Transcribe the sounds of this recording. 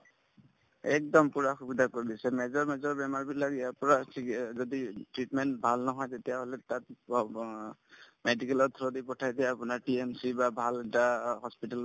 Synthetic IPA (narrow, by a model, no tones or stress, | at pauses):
ɛk̚dɔmpuɹaxubidakoɹidisɛmɛzɔɹmɛzɔɹbɛmaɹbitlakiapuɹasizoditɹitmɛnt̚bʱalnɔɦɔjtetijaɦolɛtat̚ | medikɛlɔt̪ʰɹodipɔtʰajsɛapʊnaɹʈiɛmsibabʱalɛtaɦɔspital